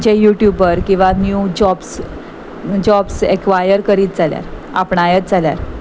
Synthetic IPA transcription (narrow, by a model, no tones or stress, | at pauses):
d͡ʑejuʈjubəɾkĩw̃ʋanjud͡ʑɔbs | d͡ʑɔbsekʋajəɾkəɾiːt̪̚d͡zalja̰ɾ | a̰pɳajət̪̚d͡zalja̰ɾ